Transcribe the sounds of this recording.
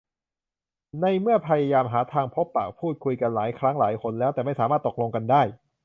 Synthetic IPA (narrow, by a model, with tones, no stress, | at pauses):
na˧jmɯ˥˩ɐpʰaː˧ja˧jaː˧mɦaː˩˦t̪ʰaː˧ŋpʰo˦˥pːa̰ː˨˩k̚pʰuː˥˩t̪̚kʰu˧jka˧nlaː˩˦jkʰɾa˦˥ŋlaː˩˦jkʰo˧nlɛː˦˥wt̪ɛː˨˩ma˥˩jsaː˩˦maː˥˩t̪ːo˨˩lo˧ŋka˧ndaː˥˩j